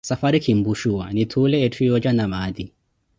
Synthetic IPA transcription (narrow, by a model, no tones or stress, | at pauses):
safaɾikʰimbuʃuwa̰nit̪ʰulɛetʰijɔd͡ʒanamad̪i